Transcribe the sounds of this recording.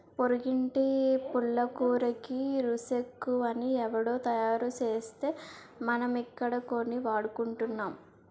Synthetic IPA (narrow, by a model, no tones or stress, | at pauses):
poɾiɡiɳʈipuɭːɐkuːɾɐkiɾusekːuʋɐniɛʋɐɽoːt̪ɐjaːɾut͡ʃe̞ːst̪e̞ː | mɐnɐmikːɐɽɐko̞nːiʋaːɽukuɳʈunːaːm